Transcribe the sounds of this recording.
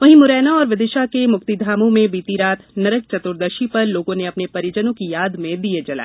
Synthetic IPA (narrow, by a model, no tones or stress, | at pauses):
ʋɐɦĩmʊɾɛːnaɔːɾʋɪd̪ɪʃakemʊkt̪id̪ʱaːmõmẽbiːt̪iɾaːt̪nɐɾək̚t͡ʃɐt̪ʊɾd̪ɐʃipɐɾloːɡõneɐpnepɐɾjɪd͡ʒənõkijaːd̪mẽd̪ied͡ʒɐla̰ː